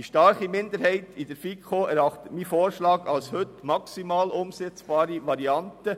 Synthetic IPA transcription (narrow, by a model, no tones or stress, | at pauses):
d̥iʃtɑɾχimɪnd̪əɾhɛɪtid̥əɾfikχoɛɾɑχt̪ətmifoːɾʃlɑːɡɑlshɵt̪mɑksimɑːlʊmsɛt͡sb̥ɑːɾiʋɑɾiɑntə